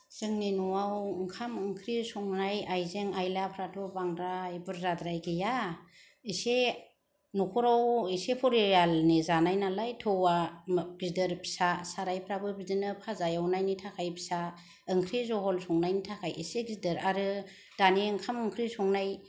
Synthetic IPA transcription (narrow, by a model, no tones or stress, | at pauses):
z̥ɯŋninuwawɯŋkʰamɯŋkʰɾisɔŋnajajzeŋajlapʰɾatʰɔbaŋdɾajbɯɾzadɾajɡeja | ise | nukʰɔɾawisepʰɔɾijalnizanajnalajtʰɔwaɡ̥izdɯɾpʰi̥sasaɾajpʰɾabɯbidinɯpʰazajawnajnitʰakʰajpʰi̥sa | ɯŋkʰɾizɔɦɔlsɔŋnajnitʰakʰajiseɡizdɯɾaɾɯ | d̥aniɯŋkʰamɯŋkʰɾisɔŋnaj